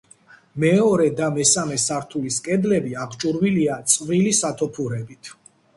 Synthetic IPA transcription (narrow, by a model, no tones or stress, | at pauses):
mɛɔɾɛd̪amɛsamɛsaɾt̪ʰuliskʼɛd̪lɛbiaʁt͡ʃʼuɾwiliat̪sʼvɾilisat̪ʰɔpʰuɾɛbit̪ʰ